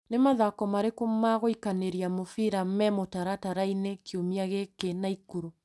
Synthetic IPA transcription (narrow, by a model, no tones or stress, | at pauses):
nemaðakɔmaɾekomaɣoikaneɾiamofiɾamɛmotaɾataɾainekeomiaɣekenaikuɾo